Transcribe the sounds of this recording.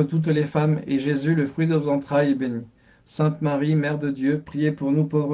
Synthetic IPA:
ət̪ut̪̬lefamḛʒezyləfχɥid̪ənozɑ̃t̪χajɛbeni | sɛ̃t̪maʁimɛʁd̪əd̪jøpχijepuʁnupovʁə

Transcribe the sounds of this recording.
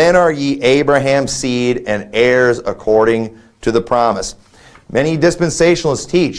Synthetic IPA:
ɨ̃ñə˞jiʔeɪbɹɨɦæ̃mz̥siɾɨ̃nɛɹzə̰kʰɔɹɾɪ̃ŋ | tʰɨðəpʰɹ̥ɑməs | mɛñidɪspɨ̃nseɪʃn̩lˠz̥tʰit͡ʃ

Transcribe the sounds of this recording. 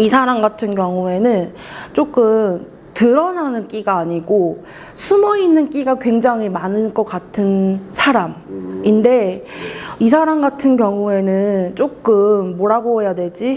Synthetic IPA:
isʰaɾamɡatʰɯnkjʌŋue̞nɯn | t͡ɕ͈ok͈ɯm | tɯɾʌnanɯnk͈iɡaːɲiɡo | sʰumʌinːɯnk͈iɡakwe̞ŋd͡ʑaŋɦimanɯnɡʌk͈atʰɯnsʰaɾaminde̞ | is̬ʰaɾamɡatʰɯnkjʌŋue̞nɯnt͡ɕ͈ok͈ɯmːoɾaɡoɦejadwe̞d͡ʑi

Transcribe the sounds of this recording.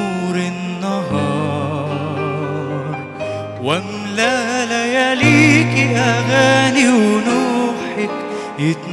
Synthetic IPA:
uɾɪnːaɦɑː | ɾˤ | wɪm | lalajaliːkiʔamaːniwnuːħɪk | jɪt̪n

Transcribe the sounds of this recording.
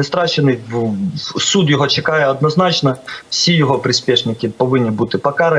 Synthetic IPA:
nɪst̪ɾaɕɪnɨj | sud̪jɔɦɔt͡ɕɪkajɛɐd̪nɐznat͡ɕnɐfsʲijɔɦɔpɾʲɪspʲeʂnʲɪkʲɪpɐʋɪnʲːɪbut̪ɪpɐkaɾɐ

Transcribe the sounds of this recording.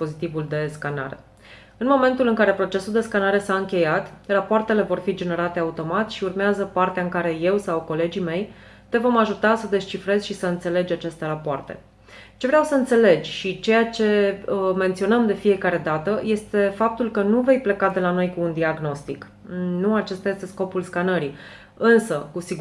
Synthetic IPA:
po̞zit̪ivuld̪e̞skana̰ɾe̞̰ | ɨnmo̞me̞nt̪ulɨŋkaɾe̞pɾo̞t͡ʃe̞suld̪e̞skanaɾe̞saɨŋkʲe̞jat̪rapoart̪e̞le̞vo̞rfid͡ʒe̞ne̞ɾat̪e̞aut̪o̞mat̪ʃiurmeazəpart̪eaɨŋkaɾe̞je̞wsawko̞le̞d͡ʒime̞j | t̪e̞vo̞maʒut̪asəd̪e̞st͡ʃifɾe̞zʲʃisəɨnt̪se̞le̞d͡ʒʲat͡ʃe̞st̪e̞ɾapoart̪e̞̰ | t͡ʃe̞vɾeawsəɨnt̪se̞le̞d͡ʒʲʃit͡ʃe̞jat͡ʃe̞əme̞nt̪sio̞nəmd̪e̞fije̞kaɾe̞d̪at̪əje̞st̪e̞fap̚t̪ulkənuve̞jple̞kad̪e̞lano̞jkuːnd̪iaɡno̞st̪ik | nuat͡ʃe̞st̪aje̞st̪e̞sko̞pulskanəɾi | ɨnsəkusi

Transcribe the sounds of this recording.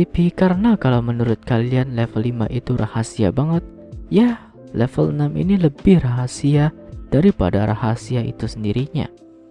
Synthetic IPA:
ipikaɾənakalawmənuɾʊt̪̚kalianlɛfəlːima̰ʔit̪uɾʔahasia̰baŋət̪̚ | jah | lɛfələnamʔḭniləbɪhraɦasiad̥aɾipa̰daɾahasiaḭt̪usəndiɾiɲa̰

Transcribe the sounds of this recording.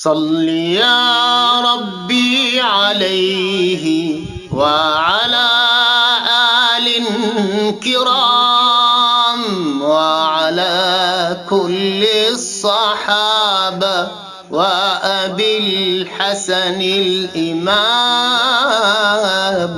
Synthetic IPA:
sˤɑlːijaːɾˤɑbːiːʕalajhɪ | waʕalaːʔaːlɪ | kɪɾa | mwaʕalaːkʊlːɪsˤːɑħaːba | waʔabilħasanɪlʔɪma | m

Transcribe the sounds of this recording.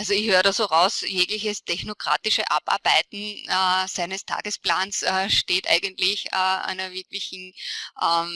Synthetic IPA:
ʔalzoɪçhøːʁədasoːʁaʊsjeːɡlɪçəstʰɛçnokʁ̥a̰ːtɪʃəʔa̰pa̰ɐb̥æɪtn̩ɛsæɪnəstʰa̰ːɡəsplaːnsɛːʃteːtʔa̰ɪɡəntlɪçɛːʔa̰ɪnɐvɪɐklɪçn̩ʔɛː

